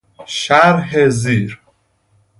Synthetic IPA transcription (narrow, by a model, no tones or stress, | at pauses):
ʃæɾɦeziːɾ